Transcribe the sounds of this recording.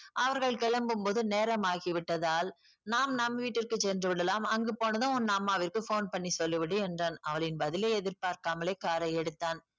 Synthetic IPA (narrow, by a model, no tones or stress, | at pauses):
ʔɐʋɐɾɣɐɭkɛɭɐmbɯmpoːðɯneːɾɐmaːɣiʋɪʈːɐðaːl | naːmnɐmʋiːʈːɪrkɯt͡ʃɛndrɯʋɪɽɐlaːmɐŋɡɯpoːnɐðãːɔnːɐmːaːʋɪrkɯfoːnpɐɳːisɔlːɯʋɪɽɯɛndrɐːnɐʋɐɭɪnbɐðɪleːɛðɪɾpaːɾkaːmɐleːkaːɾɐɛɽɯt̪ːaːn